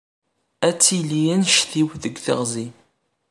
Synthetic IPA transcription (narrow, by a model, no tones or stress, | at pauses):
æt͡sːilijænʃθiwðəɡθə̰ʁzi